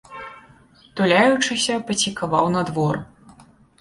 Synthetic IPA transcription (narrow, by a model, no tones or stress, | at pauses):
t̪ulʲajut͡ʂɨsʲɐpɐsʲikavawnad̪vɔr